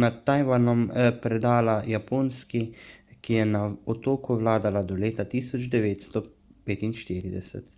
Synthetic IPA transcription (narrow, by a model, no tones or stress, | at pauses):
nat̪ːajʋanɔmpɾɛd̪aːlajapoːnskikijɛnaɔt̪oːkuʋlaːd̪alad̪ɔleːt̪at̪iːsɔd͡ʒd̪ɛʋeːt̪st̪ɔ | peːt̪inʃt̪iːɾid̪ɛsɛ̰t̪